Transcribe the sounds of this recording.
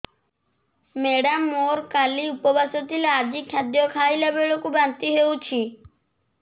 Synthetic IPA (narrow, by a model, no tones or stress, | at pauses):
meɽamːoɾkaliupɔbasɔt̪ʰilead͡ʒikʰjad̪jɔkʰajlabeɭokubant̪iɦewt͡ʃʰi